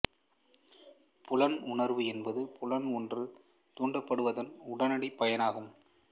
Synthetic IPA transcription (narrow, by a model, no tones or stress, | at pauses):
pʊlɐnʊɳɐɾʋɯɛnbɐðɯpʊlɐnɔndrɯ | t̪uːɳɖɐpːɐɽɯʋɐðɐnʊɽɐnɐɽipɐjɐnaːɣɯm